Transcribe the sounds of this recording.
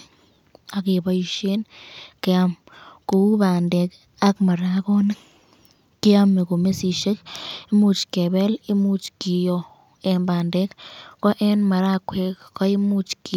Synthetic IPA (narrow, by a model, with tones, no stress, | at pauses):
a˧ɡi˧ba˧jʃi˦nke˧a˧mɡ̥u˧˦ba˨nd̪e˧k | a˦kma˨ɾa˧ɡo˦ne˦ | ki˦a˦me˧ɡu˨me˦si˧ʃe˦ki˦mu˦t͡ʃke˨be˦li˦mu˦t͡ʃki˧jo˧ | e˧mba˨nd̪e˦kko˦ʔe˦nma˨ɾa˦˧kʷʰe˧kka˦i˦mu˦˧t͡ʃki˨